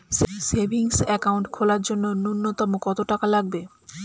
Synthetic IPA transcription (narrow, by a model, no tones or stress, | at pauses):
ʃesebiŋsɛkawɳʈkʰolaɾd͡ʑonːonunːot̪omokɔt̪oʈakalaɡ̚be